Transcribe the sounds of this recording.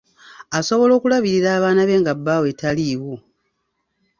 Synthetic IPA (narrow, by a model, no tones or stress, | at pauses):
aso̞βo̞lo̞ːkulaβiɾiɾaːβaːnaβe̞ːŋɡabːaːwe̞taliwo